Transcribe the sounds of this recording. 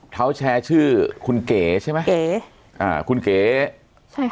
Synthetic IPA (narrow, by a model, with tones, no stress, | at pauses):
t̪ʰa˦˥wt͡ɕʰɛː˧t͡ɕʰɯː˥˩kʰu˧nkeː˩˦t͡ɕʰa˥˩ma˦˥je˨˩˦ | ʔa̰ː˨˩kʰu˧nkeː˨˩˦ | t͡ɕʰ